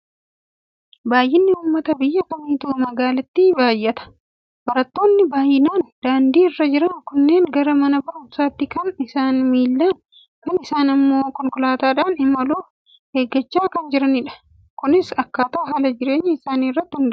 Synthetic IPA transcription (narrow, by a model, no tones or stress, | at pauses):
baːjʔɪnːɪuːmːɐt̪ɐbɪjːɐkɐmiːt̪uːmɐɡaːlɐt̪ːibaːjːɐt̪ɐ̥ | b̥ɐɾɐt̪ːo̞ːnːɪbaːjɪnaːnd̪̥aːnd̪iːɪrːɐd͡ʒɪɾɐŋkʊnːe̞ːŋɡɐɾɐmɐnɐbɐʔʊmsaːt̪ːɪkɐnɪsaːnmiːlːaːn | kɐnɪsaːnɐmːo̞ːkɔŋkʊlaːt̪aːᶑaːnɪmɐluː | heːɡɐt͡ʃːaːkɐnd͡ʒɪɾɐnɪᶑɐ̥ | kʊnɪsɐkːaːt̪aːɦaːlɐd͡ʒɪɾe̞ːɲːɐɪsaːniːrːɐt̪ːɪhɪnd̪